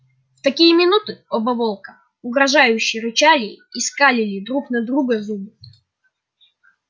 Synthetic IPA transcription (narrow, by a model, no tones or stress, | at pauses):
ft̪ɐkʲijəmʲɪnut̪ɨobɐvolˠkə | ʊɡɾɐʐajʉɕːɪjəɾɨt͡ɕalʲɪːskalʲɪlʲɪd̪ɾuknɐd̪ɾuɡəzubɨ